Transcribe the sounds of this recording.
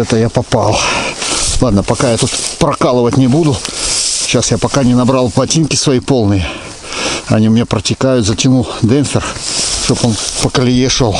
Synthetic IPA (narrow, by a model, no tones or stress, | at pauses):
ɛt̪əjapɐpɑlˠ | lˠad̪nəpɐkajat̪ut̪pɾɐkalˠəvətʲnʲɪbud̪ʊ | ɕːasjapɐkanʲɪnɐbɾɑlˠplˠɐtʲinkʲɪsvɐjipo̞lˠnɨjə | ɐnʲimɪnʲapɾətʲɪkajʊt̪zət͡ɕʲɪnud̪ɛnfʲɪrʂt̪o̞po̞npəkəlʲɪjeʂolˠ